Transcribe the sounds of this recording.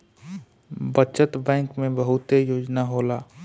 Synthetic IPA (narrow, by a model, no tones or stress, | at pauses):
bət͡ʃət̪bɛ̃ːŋkmẽbəɦʊt̪ejoːd͡ʒnaɦolaː